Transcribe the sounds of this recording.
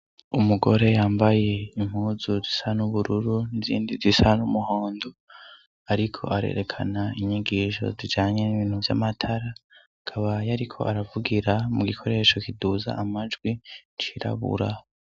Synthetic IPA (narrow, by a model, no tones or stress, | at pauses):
umuɡo̞ɾe̞jaːmbaje̞im̥huːzuzisanuβuɾuɾunizḭːndizisanumuho̞ːndo | aɾikʰo̞̰ʔaɾe̞̰ɾe̞kʰa̰naiɲiɡiːʃo̞̰zid͡ʒaːɲe̞niβiːn̥huvja̰matʰaɾaː | kʰaβajaɾikʰo̞̰ʔaɾavuɡiɾamuɡikʰo̞ɾe̞ːʃo̞kiduza̰ʔamad͡ʒɡwint͡ʃiɾa̰βṵɾa